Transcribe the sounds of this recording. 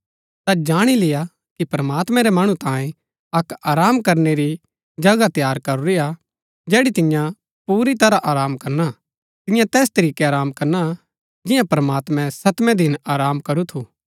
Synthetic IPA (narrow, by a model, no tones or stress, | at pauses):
t̪ad͡ʒaːɽ̃ilɪja | kipɾɐmaːt̪mɛ̃ɾɛmɐɽ̃ũt̪ãːẽ | ɐkaːɾaːmkɐɾneɾi | d͡ʒɐɡat̪ɪjaːɾkɐɾuɾia | d͡ʒɛːɽit̪ɪ̃jã | puːɾit̪ɐɾaʔaːɾaːmkɐɾna | t̪ɪ̃jãt̪ɛːst̪ɐɾiːkeaːɾaːmkɐɾna | d͡ʒɪjãpɾɐmaːt̪mɛ̃sɐt̪mɛ̃d̪ɪnaːɾaːmkɐɾut̪ʰu